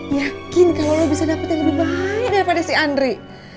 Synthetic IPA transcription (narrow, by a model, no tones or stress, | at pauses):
jakkɪnkalolobisadapat̪anləbɪhbaɲət̪̚daɾipadasiandɾi